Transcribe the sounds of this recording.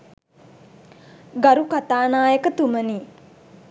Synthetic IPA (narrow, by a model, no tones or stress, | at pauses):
ɡaɾukat̪aːnaːjəkət̪uməniː